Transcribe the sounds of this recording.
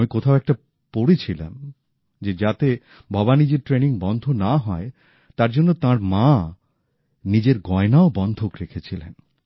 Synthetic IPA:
mikot̪ʰaoɛk̚ʈa | poɽet͡ɕʰila̰m | d͡ʑed͡ʑat̪e | bʱɔbanid͡ʑeɾʈɾeniŋbɔnd̪ʱonaɦɔe | t̪aɾd͡ʑonːot̪ãɾmã | nid͡ʑeɾɡɔenaobɔnd̪ʱokɾekʰet͡ɕʰilḛn

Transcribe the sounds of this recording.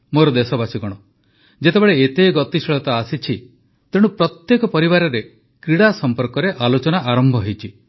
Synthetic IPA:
moɾɔd̪esɔbasiɡɔɽ̃ɔ | d͡ʒet̪ebeɭeet̪eɡɔt̪isiɭɔt̪aasit͡ʃʰi | t̪eɽ̃upɾɔt̪jekɔpɔɾibaɾɔɾe | kɾiɽasɔmpɔɾkɔɾeʔalot͡ʃɔnaʔaɾɔmbʱɔɦejt͡ʃʰi

